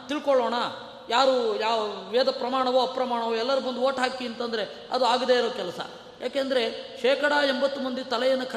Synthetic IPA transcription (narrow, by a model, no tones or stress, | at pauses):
t̪iɭkoɭoːɳɐ | jaːɾujaːʋeːd̪ɐpɾɐmaːɳɐʋoɐpɾɐmaːɳɐʋoɛlːɐɾubɐnd̪uoːʈɦaːkiɐnt̪ɐnd̪ɐɾe̞ | ɐ̰d̪uaːɡd̪eːiɾokɛlɐsɐ̰ | jaːkeːnd̪ɐɾe̞ʃeːkɐɽaembɐt̪ːumɐnd̪it̪ɐlɛjɐnːɐkʰɐ